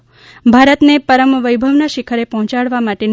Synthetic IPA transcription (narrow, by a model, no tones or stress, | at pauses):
bʱaɾət̪nepəɾəmʋəjbʱəʋnaʃikʰəɾepɔɦɔ̃t͡ʃaɽʋamaʈen